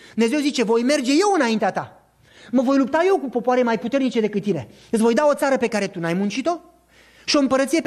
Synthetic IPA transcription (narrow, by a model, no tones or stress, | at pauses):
d̪umne̞zewzit͡ʃe̞vo̞jme̞rd͡ʒe̞je̞wɨnaint̪eat̪a | məvo̞jlup̚t̪aje̞wkupo̞poaɾemajput̪e̞rnit͡ʃe̞d̪e̞kɨt̪̚ːine̞̰ | ɨt̪svo̞jd̪ao̞t̪saɾəpe̞kaɾe̞t̪unajmunt͡ʃit̪o̞ | ʃio̞ɨmpəɾət̪sije